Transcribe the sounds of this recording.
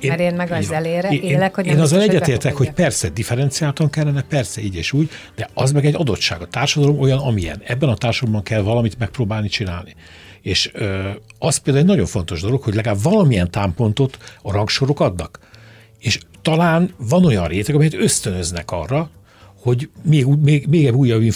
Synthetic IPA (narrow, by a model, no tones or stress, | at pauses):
eːeːnmɛɡɛleːɾeːɛkhoːnɒzːɒlɛɟɟːɛt̪eːrt̪ɛkho̞cpɛrsɛd̪ifɛɾɛnt̪sijaːlt̪ɒŋkɛlːɛnɛpɛrsɛiːɟeːʃuːɟd̪ɛɒzmɛɡɛɟːɒd̪o̞t̪ʃa̰ːɡɒt̪aːrʃɒd̪ɒlo̞mo̞jɒnɒmijɛ̰nɛbːɛnɒt̪aːrʃɒd̪lombɒŋkɛlvɒlɒmit̪mɛk̚proːbaːlnit͡ʃinaːlni | eːʃ | ɒst̪peld̪aːlɛɟnɒɟo̞ɱfo̞n̪t̪o̞ʒd̪o̞lo̞khoɟlɛɡaːbvɒlɒmijɛnt̪aːmpo̞nt̪o̞t̪ɒrɒŋkʃo̞ɾo̞kɒd̪nɒk | eːʃt̪ɒlaːnvɒno̞jɒnreːt̪ɛkɒmɛjɛt̪øst̪ønø̞znɛkɒ̰rːɒ | ho̞ɟmeːɡmeːmeːɡɛbuːjːɒbːiɱ